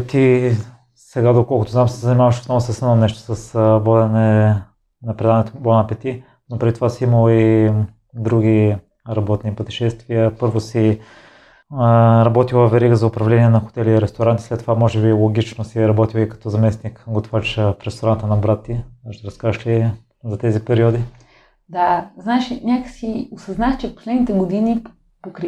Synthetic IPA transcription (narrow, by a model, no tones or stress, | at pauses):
t̪i | sɛɡad̪okɔlˠkʊt̪oznamsɛzənimavəʃo̥snɔvʊsɐsannɛʃt̪o̥sɐsbɔd̪ɛnɛ | nɐpɾɛd̪anɛt̪obɔnɐpɛt̪i | nopɾɛd̪it̪ovasiiməlˠi | d̪ɾuɡʲi | ɾɐbɔt̪nipot̪ɛ̥ʃɛst̪viəpɤɾvosi | ɾɐbɔt̪ilˠəvɛɾiɡəzɐʊpɾɐvlɛniɛnɐxʊ̥t̪ɛliɾɛst̪oɾant̪i̥slɛt̪ːovamɔʒɛbilˠoɡʲit͡ʃnosiɾɐbɔt̪ilˠikɐ̥t̪ɔzɐmɛsnikɡot̪vaɾt͡ʃəfɾɛst̪oɾant̪ənɐbɾat̪ːiaʃɛɾɐskaʒəʃli | zɐt̪ɛzipɛɾiɔd̪i | d̪aznaɛʃinʲakə̥siosɐznaxt͡ʃɛfpo̥slɛd̪nit̪ɛɡod̪ini | pokɾ